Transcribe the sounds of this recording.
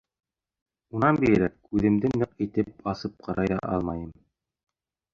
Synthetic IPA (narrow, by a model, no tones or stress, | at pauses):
unɑnbijɘ̆ɾækʉðɘ̆md̪ɘnːɤqit̪ɘp̚ɑsɤp̚qʰɑɾʔɑjðɑʔɑ̰lˠmɑjɤm